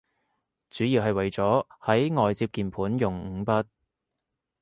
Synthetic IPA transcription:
t͡syː˨˥jiː˨˧wɦɐ˨jwɐ˨jt͡sɔː˨˥hɐ˨˥jŋɔː˨jt͡siː˧p̚kiː˨npʰuː˨˥njʊ˨ŋŋ̩˨˧˥pɐ˥t̚

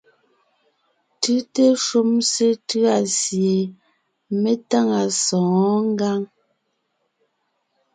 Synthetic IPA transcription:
tɯ˦te˦ʃo˦mse˦tʉ˦a˨sje˨ | me˦ta˦ŋa˨sɔ̃˨˦ŋ˦ɡa˦ŋ

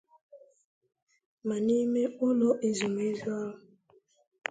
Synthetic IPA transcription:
ma˨ni˦me˦ʊ˦lɔ˦ʔe˨zu˨m˨e˦zu˦a˦ʊ˨

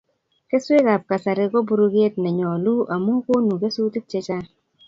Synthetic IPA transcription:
ke˦swe˦ka˨p̚ka˨sa˨ɾe˦ko˦bu˨˦ɾu˦ke˦tnɛ˨ɲɔ˨lu˦ʔa˨mu˦ko˦nu˨ke˦su˦ti˦k̚t͡ʃe˦t͡ʃa˦

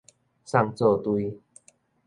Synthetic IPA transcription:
sa˧ŋt͡so˥˧˩t̪wi˧

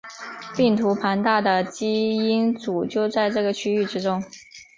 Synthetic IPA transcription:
pi˥˩ŋt̪ʰu˧˥pʰa˧˥nt̪a˥˩d̪ə˩t͡ɕi˥i˥nt͡su˨˩t͡ɕjo˥˧ʊt͡sa˥˧ɪʈ͡ʂɤ˥˩ɡə˩t͡ɕʰy˥y˥˩ʈ͡ʂɻ̩˥ʈ͡ʂʊ˥ŋ

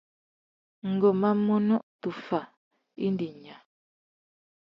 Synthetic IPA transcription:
ŋ̩˨ɡɔ˨ma˦mɔ˦nɔ˦ʔtu˨fa˨ | ḭ˦ndi˨ɲa˨

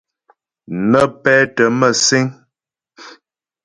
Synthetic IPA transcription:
nə˦pɛː˦tə˨˦mə˨se˦ŋ

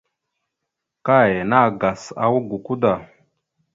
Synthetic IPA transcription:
ka˦˨je˨na˦˨ɡa˨sa̰˨wu˦ɡu˨ku˦da˨

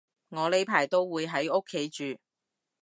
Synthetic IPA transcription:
ŋɔː˨˧le˨˥jpʰaː˨˩jt̪o˥wwuː˨˧jɦɐ˨˥jʊ˥kʰːe˨˥jt͡ʃyː˨

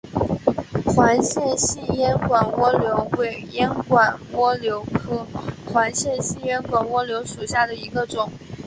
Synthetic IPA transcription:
xwa˧˥nɕjɛ˥˩˧nɕi˥˩jɛ˥nkwa˨˩nwɔ˥ljo˧˥ʊwe˨˩ɪjɛ˥nkwa˨˩nwɔ˥ljo˧˥ʊkʰɤ˥xwa˧˥nɕjɛ˥˧nɕi˥˩˧ɥɛ˥nkwa˨˩nwɔ˥ljo˧˥ʊʂu˨˩ɕja˥˩d̪ə˩i˧˥ɡə˧ʈ͡ʂʊ˨˩˦ŋ

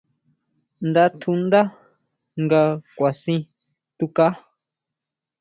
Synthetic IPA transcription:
nd̪a˦t̪ʰu˧nd̪a˦ | ŋɡa˧kʷa˨sĩ˧ | t̪u˧ka˦

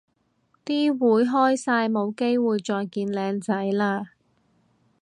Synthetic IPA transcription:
t̪iː˥wuː˨˥jɦɔː˥jsaː˧jmo˨˧wke˥jwuː˨jt͡sɔː˧jkiː˧nlɛː˨˧ŋt͡sɐ˨˥jlaː˧

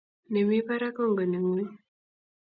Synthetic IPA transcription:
ne˨mi˦pa˦ɾa˦kɔ˦ŋɡɔ˨ne˨ŋi˦

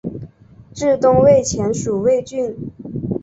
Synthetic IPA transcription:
ʈ͡ʂɻ̩˥˧t̪ʊ˥ŋwe˥˩ɪt͡ɕʰjɛ˧˥nʂu˨˩we˥˧ɪt͡ɕy˥˩n

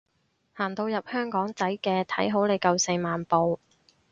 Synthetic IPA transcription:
haː˨˩nt̪o˧wjɐ˨p̚hœː˥ŋkɔː˨˥ŋt͡sɐ˨˥jkɛː˧t̪ʰɐ˨˥jɦo˨˥wle˨˧jkɐ˨˧wse˧jmaː˨npo˨w

